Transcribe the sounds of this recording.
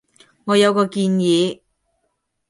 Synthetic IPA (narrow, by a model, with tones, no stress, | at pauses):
ŋɔː˨˧jɐ˨˧wkɔː˧kiː˧njiː˨˧˥